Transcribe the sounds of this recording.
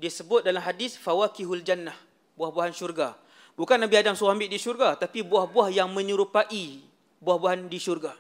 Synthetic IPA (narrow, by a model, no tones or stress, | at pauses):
diasəbʊt̪̚dalamɦadɪsfawakiɦuld͡ʒanːah | buahbuaɦanʃurɡa | bukanːabiadaŋsuambɪʔdiʃurɡat̪apibuahbuahjaŋmə̃ɲuɾupaʔi | buahbuaɦandiʃurɡa